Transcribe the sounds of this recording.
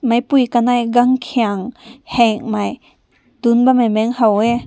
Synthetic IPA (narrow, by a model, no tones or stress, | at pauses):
majpujkanajɡaŋkʰiaŋhɛŋmaj | d̪̥unbamamɛŋhawe